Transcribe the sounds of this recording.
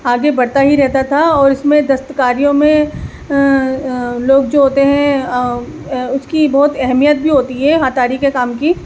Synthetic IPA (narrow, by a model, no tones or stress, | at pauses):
aːɡebɐɽt̪aɦiɾɛɦt̪at̪ʰaɔːɾɪsmẽd̪ɐst̪əkaːɾijõmẽ | loːɡd͡ʒoːɦoːt̪eɦɛ̃ | ʊskibɔːt̪ɛɦmijət̪̚bʱiɦoːt̪iɦɛːɦaːt̪aːɾikekaːmki